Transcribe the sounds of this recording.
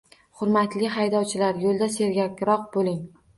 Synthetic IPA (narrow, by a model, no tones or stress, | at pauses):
χʊɾmat̪lɪɦajd̪ɒwt͡ʃʰɪlaɾjolˠd̪ase̞ɾɡʲakʲɾɒq̚bolɪŋ